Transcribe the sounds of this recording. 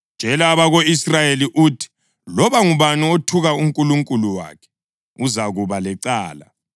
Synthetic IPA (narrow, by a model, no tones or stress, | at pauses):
d̥ʒ̥ʱɛlaːβaɣoisrajeliʔuːtʰi̥ | lɔβaŋuβanuotʰuɣauŋkʼuluŋkʼuluwa̰ːkʰɛ̥ | uzaɣuβalɛǀaːla̰